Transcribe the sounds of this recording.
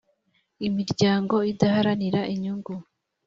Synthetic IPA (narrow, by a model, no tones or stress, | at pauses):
imiɾɟaːŋɡo̞idahaɾaniɾaʔiɲuŋɡu